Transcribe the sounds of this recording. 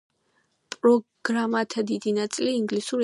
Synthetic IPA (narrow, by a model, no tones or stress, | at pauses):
pʼɾɔɡ̥ɾamat̪ʰad̪id̪inat̪sʼiliːŋɡlisuɾ